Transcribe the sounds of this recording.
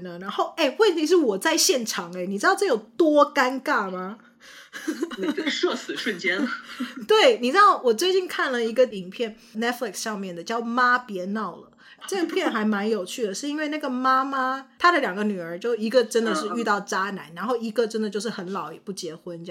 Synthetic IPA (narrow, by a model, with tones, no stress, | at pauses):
nə˩ɻa˧˥nxo˥˧ʊe˥˩ɪwə˥˩nt̪ʰi˧˥ʂ̬ɻ̩˥˩wɔ˨˩t͡sa˥˧ɪɕjɛ˥˩nʈ͡ʂʰɑ˨˩˦ŋe˧˦ɪni˨˩ɻ̩˥ɑ˥˧ʈ͡ʂɤ˥˩jo˨˩ʊt̪wɔ˥ka˥nka˥˩ma˨˩ | ʂɔ˥˧sɹ̩˨˩ʂwə˥˨nt͡ɕjɛ˥n˩t̪we˥˩ɪni˨˩ʈ͡ʂɻ̩˥d̪ɑ˥˩ʊwɔ˨˩t͡swe˥˧ɪt͡ɕi˥˧nkʰa˥˩nlə˩i˧˥ɡə˧i˨˩ŋpʰjɛ˥˩n | nɛ˥t̚fli˨˩ksʂɑ˥˧ŋmjɛ˥˩nd̪ə˩t͡ɕjɑ˥˩ʊma˥pjɛ˧˥nɑ˥˩ʊlə̰˩ | ɤ˥˩ɡə˨˩pʰjɛ˥˩nxa˧˥ɪma˧˥njo˨˩ʊt͡ɕʰy˥˩d̪ə˩ʂɻ̩˥˧i˥nwe˥˧ɪna˥˩ɡə˩ma˥ma˥t̪ʰa˥d̪ə˨ljɑ˨˩ŋɡə˧˦ny˨˩ə˞˧˥t͡ɕjo˥˧ʊi˧˥ɡə˨ʈ͡ʂə˥nd̪ə˨ʂɻ̩˥˧y˥˧t̪ɑ˥˩ʊʈ͡ʂa˥na̰˧˥˦nɻa˧˥nxo˥˩ʊi˧˥ɡə˨ʈ͡ʂə˥nd̪ə˨t͡ɕjo˥˧ʂɻ̩˥˩xə˧˦nlɑ˨˩˦ʊjɛ˨˩pu˥˩t͡ɕjɛ˧˥xwə˦˥n